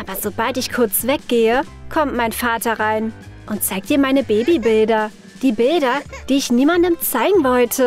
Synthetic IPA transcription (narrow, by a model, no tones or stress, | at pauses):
ʔʔaːbɐzobaltɪçkʰʊɐt͡sv̥ɛk̚ɡ̥eːə | kʰɔmtmaɪnfaːtɐʁaɪn | ʔʊnt̚t͡saɪk̚td̥iːɐmaɪnəbeːbibɪldɐ | d̥iːbɪldɐd̥iːɪçniːmandəmt͡saɪɡŋ̩vɔltʰə